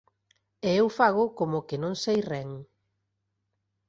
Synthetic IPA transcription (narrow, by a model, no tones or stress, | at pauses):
eewfaɣʊkomʊkɪnõŋsejrɛŋ